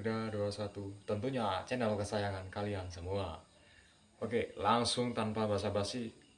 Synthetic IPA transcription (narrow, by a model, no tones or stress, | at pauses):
daduasat̪ut̪ənt̪uɲat͡ʃɛnalokəsajaŋankaliaŋsəmua | ʔokelaŋsʊŋt̪anpabaas̬abasɪ